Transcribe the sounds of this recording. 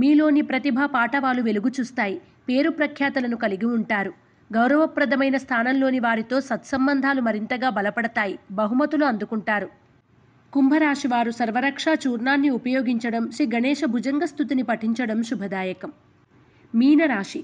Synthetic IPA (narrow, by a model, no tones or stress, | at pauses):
miːlo̞ːnipɾɐt̪ibʱɐpaːʈɐʋaːluʋe̞luɡut͡ʃuːst̪aːji | pe̞ːɾupɾɐkʰjaːt̪ɐlɐnukɐliɡiuɳʈaːɾu | ɡɐwɾɐʋɐpɾɐd̪ʱɐmɐjnɐst̪ʰaːnɐmlo̞ːniʋaːɾit̪o̞ːsɐt̪sɐmbɐnd̪ʱaːlumɐɾint̪ɐɡaːbɐlɐpɐɽɐt̪aːjibɐɦumɐt̪uluɐnd̪ukuɳʈaːɾu | kumbʱɐɾaːʂiʋaːɾusɐɾʋɐɾɐkʂaːt͡ʃuːɾnaːnːiupɐjoːɡiɲt͡ʃɐɽɐmʃɾiːɡɐnɛːʂɐbʱud͡ʒɐŋɡɐst̪ʰut̪inipɐʈiɲt͡ʃɐɽɐmʃubʱɐd̪aːjɐkɐm | miːnɐɾaːʂi